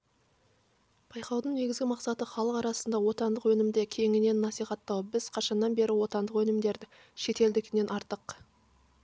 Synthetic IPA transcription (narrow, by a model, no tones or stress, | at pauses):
b̥ɑjqɑwd̪əɴne̞ɡʲɪzɡʲɪmɑqsɑt̪əχɑlˠəqɑɾɑsənd̪ɑwo̞t̪ɑnd̪əqwɵnɪmd̪ekʲʰe̞ŋɪne̞nːɑsijχɑt̪ːɑwəp̚bɪz̥qʰɑʃɑnːɑnbe̞ɾɪwo̞t̪ɑnd̪əqwɵnɪmd̪e̞ɾd̪ɪ | ʃe̞t̪e̞ld̪ɪkʲɪne̞nʔɑɾt̪əq